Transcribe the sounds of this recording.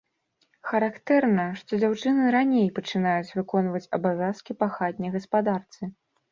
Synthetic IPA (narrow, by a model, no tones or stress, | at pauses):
xɐɾakt̪ɛrnɐʂt̪ɔd͡zʲawt͡ʂɨnɨɾanʲejpɐt͡ʂɨnajut͡sʲvɨkɔn̪vɐt͡sʲɐ̰bavʲjaskʲipaxad̪ʲnʲːɛɣɐspad̪art̪sɨ